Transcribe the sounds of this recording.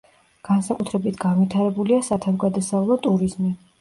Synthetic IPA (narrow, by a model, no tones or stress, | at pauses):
ɡ̥ansakʼut̪ʰɾɛbit̪ʰɡ̥anvit̪ʰaɾɛbuliasat̪ʰavɡad̪asavlˠɔt̪ʼuɾizmi